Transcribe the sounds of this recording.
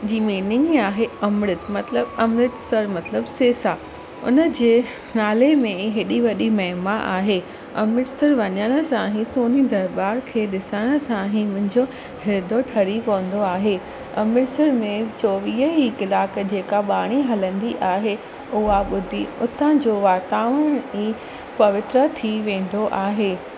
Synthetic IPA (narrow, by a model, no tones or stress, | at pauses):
d͡ʑiːmiːnɪŋɡaːɦeɐmɾɪt̪mɐt̪ləbɐmɾɪʈ̪sɐɾmɐt̪ləbseːsa | ʊ̰nə̆d͡ʑeː | naːlemẽɦɪɗiʋɐɗimɐɦmaʔa̰ːɦeː | ɐ̰mɪʈsəɾʋɐɲəɽ̃ə̆sãɦĩsoːnid̪ɐɾbaːɾkʰeːɗɪsəɽ̃ə̆sãɦĩmʊ̃ɦɪ̃ɲd͡ʑo | ɦɪɾd̪ʱoʈʰɐɾikɐʋə̃nd̪oaːɦe | ɐ̰mɪʈsəɾmẽt͡ɕoːʋiːəɦikɪlaːkd͡ʑeːkaɓaːɽ̃iɦɐlə̃nd̪iʔaːɦe | ʊɦaɓʊd̪ʱiʊt̪ʰə̃d͡ʑoːʋaːt̪aːʋəɽ̃iː | pɐʋɪt̪ɾət̪ʰiʋẽːn̆d̪oʔaːɦeː